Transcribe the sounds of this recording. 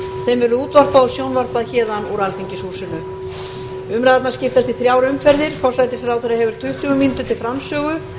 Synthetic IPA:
θejmvɛɾðʏuːt̪var̥paðɔsjownvar̥paðçɛːðanɔɾalθiɲcɪshuːsʏnʏ | ʏmɾaðat̪naɾscɪft̪ast̪iθɾjaːwɾʏmfɛɾðɪɾ̥fɔ̥slajt̪ɪsɾawθeɾahɦɛvʏɾ̥t̪ʰʏht̪ʏɣʏmint̪ʏt̪ʰɪlfɾamsœːɣʏ

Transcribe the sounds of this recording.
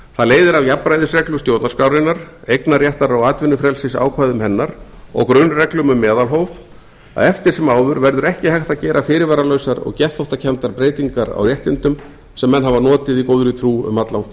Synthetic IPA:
θaðleːjðɪɾavjapːɾajðʏsrɛklʏst̪joːwt̪naskawɾɪnːaɾ̥ejknarjɛht̪aɾawaːt̪vɪnːʏfɾɛlsɪsa̰ːwkʰvaːjðʏmhɛnːaɾ̥ɔ̰ɣkɾʏnrɛklʏmʏmːɛːðalɦowv | a̰ðɛft̪ɪɾ̥sɛmaːwðʏɾvɛɾðʏɾɛhcɪhajxt̪acɛːɾʔafɪːɾɪɾvaːɾalœːɥsaɾɔ̰ɣcɛhθowht̪acʰɛnt̪aɾpɾeːjt̪iŋkaɾa̰wrjɛht̪ɪnt̪ʏm | sɛmːɛnːɦavanɔːt̪ɪðikoːwðʏɾʏɪt̪ʰɾuːʏ̰mat̪lawnt̪

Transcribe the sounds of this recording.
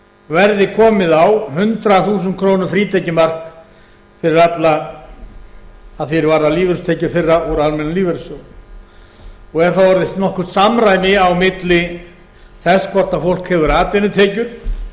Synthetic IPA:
vɛɾðɪkʰɔːmɪðawɦʏnt̪ɾaθuːsʏnt̪kʰɾoːwnʏɾfɾiːt̪ʰajcɪmar̥k | fɪɾɪɾat̪la | ðθjɛɾvaɾðaliːvʏɾst̪ʰejcʏɾ̥fɪrːauɾalmɛnʏmliːvɛɾso | ɔɣɛɾ̥θawvɔɾðɪst̪nɔhkʏst̪samɾaːjnɪawmɪt̪lɪ | θɛskʰɔr̥t̪afowl̥khɛvʏɾaːt̪ɪnːʏt̪ʰɛːcʏɾ̥

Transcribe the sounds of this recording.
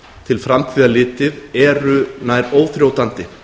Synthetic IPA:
t̪ʰɪlfɾamt̪ʰiːðalɪːt̪ɪðɛɾʏnaːjɾoːwθɾjoːwt̪ant̪ɪ

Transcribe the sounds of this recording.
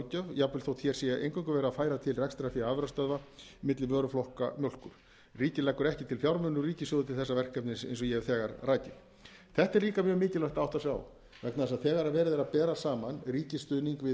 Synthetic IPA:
cœvjapvʏɪlθowt̪çɛɾ̥sjɛjaḛjŋkʰaŋkʏvɛːɾafaːjɾat̪ʰɪlrɛkst̪ɾafiaaːvɛɾast̪œðvamɪt̪lɪvœːɾʏflɔhka̰mjowl̥kʏɾ̥ | riːcɪlɛkːʏɾɛhcɪt̪ʰɪlfjawɾmʏnːʏriːcɪsʏðʏt̪ʰɪlθɛsːavɛr̥kɛp̚nɪsḛjnsɔjɛvθɛːɣaɾraːjcɪ | θɛht̪ɛɾliːkamjœːɣmɪːcɪlaht̪awht̪asja̰ːw | vɛknaðɪsaðθɛːɣaɾavɛːɾɪðɛɾapɛːɾasaːmanriːcɪst̪ʏðniŋkvɪ

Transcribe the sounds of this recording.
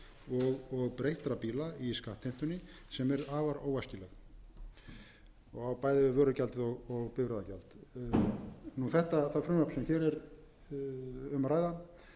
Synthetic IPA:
ɔɣɔɣpɾejht̪ɾapilaiskaht̪ʰːejn̥t̪ʏnɪ | sɛmɛɾðaːvaɾoːwascɪlɛɣ | ɔɣawpaːjðɪvɪvœːɾʏcalt̪ɪðɔɣɔɣpɪvɾajðaca̰lt̪ | nuθɛht̪aθafɾʏmapsɛmçɛɾɛɾ | ʏmaɾaːjða

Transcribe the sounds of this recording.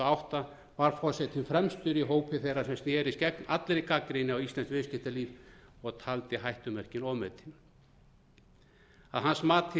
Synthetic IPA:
awht̪a | vaɾ̥fɔr̥sɛt̪ʰɪmfɾɛmst̪ʏɾiɦoːwpɪθejrːasɛmst̪jɛːɾɪscɛkna̰t̪lɾɪkakːɾejnɪawist̪lɛnskvɪːscɪht̪aliːvɔɣt̪ʰalt̪ɪɦajht̪ʏmɛr̥cɪnɔmɛt̪ʰɪn | a̰ðɦansmaːt̪ʰɪ

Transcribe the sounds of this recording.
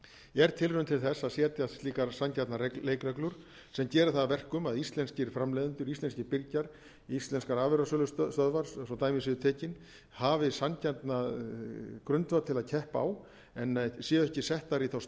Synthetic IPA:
ɛɾ̥t̪ʰɪlrʏʏnmt̪ʰɪlθɛsːaðsjɛːt̪jat̪iːkaɾsancat̪naɾeeːjkɾɛklʏɾ̥ | sɛmcɛːɾɪθaðavɛr̥kʏmaðist̪lɛnscɪɾ̥fɾamlɛjðʏnt̪ʏɾist̪lɛnscɪɾpɪɾcaɾ | ist̪lɛnskaɾaːvɛɾasœlʏst̪st̪œðvaɾ̥ssɔt̪aːjmɪs̬ɪðʏt̪ʰeːcɪn | haːvɪsancat̪na | kɾʏnt̪vaɾt̪ʰɪlaðcʰɛhpaːw | ɛnːsjɛːɛhcɪsɛht̪aɾiθaws

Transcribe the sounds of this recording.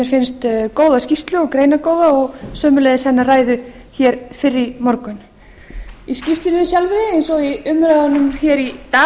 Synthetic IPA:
ɛɾ̥fɪnst̪koːwðascist̪lʏɔɣkɾeːjnakoːwðaɔɣsœːmʏlɛːjðɪshɛnːaraːjðʏ | çɛːɾfɪrːɪmɔɾkʏn | iscist̪ɪnɪnsjalvɪɾɪɛjnsɔiʏmːɾaðanːʏmçɛːɾit̪aː

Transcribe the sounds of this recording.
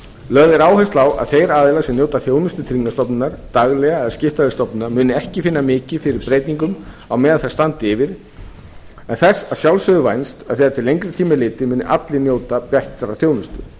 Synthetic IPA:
lœɣðɪɾaːwhɛst̪lawa̰ðθejɾaːðɪlasɛmnjoːwt̪aθjoːwnʏst̪ʏt̪ʰɾiŋkːast̪ɔpnɪnːaɾ̥t̪aɣlɛɣaɛðscɪft̪aðɪst̪ɔpnɪnaɾmʏːnʏɛhcɪfɪnːamɪːcɪfɪɾɪɾpɾejt̪niŋkʏm | awmɛːðaθɛst̪ant̪ɪvɪɾ̥ | ɛnθɛsːaðsjawlsʏðʏvajnst̪aðθɛːðat̪ʰɪlːejɲŋkɾɪt̪ʰiːmɪlɪːt̪ɪmʏːnɪʔa̰t̪lɪnjoːwt̪apjɛht̪aɾaθjoːwnʏst̪ʏ̰

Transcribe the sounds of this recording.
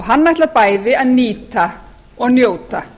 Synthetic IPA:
ɦanːajht̪lapaːjðɪaðniːt̪a | ɔɣnjoːwt̪a

